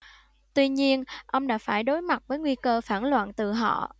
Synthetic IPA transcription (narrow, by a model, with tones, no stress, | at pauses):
t̪wi˧ɲi˧ənʔə˧wŋ͡mɗa̰ː˧˥faː˧˩jɗo˨˦jma˨˩t̚vəː˨˦jŋwi˧kəː˧faː˧˩nlwa̰ː˧˨nt̪ɨ˨˩ɦɔ̰˧˨